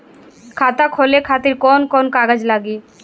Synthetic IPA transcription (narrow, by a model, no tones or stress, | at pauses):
kʰat̪akʰolekʰat̪iɾkɔnkɔnkaɡad͡ʑlaɡi